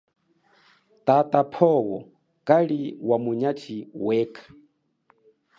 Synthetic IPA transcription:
tatʼapʰɔwɔ | kaliwamuɲat͡ʃʰiwɛːkʰḁ

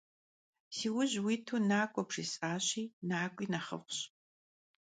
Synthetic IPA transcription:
siːwʊʑwiːtʰuːnaːkʷʼɔpʂisʼaːɕiːnaːkʷʼiːnɐχə̰fʷɕ

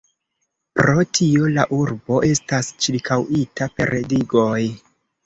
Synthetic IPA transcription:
pɾo̞tʰio̞laʔuɾbo̞ʔe̞stast͡ʃiɾkʰawitape̞ɾʔediɡo̞j

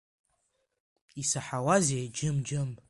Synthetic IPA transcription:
isaħawazed͡ʒɪmd͡ʒɨm

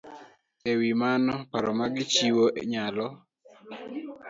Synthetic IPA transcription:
ewimanɔpaɾɔmaɡɪt͡ʃiwoʔɲalɔ

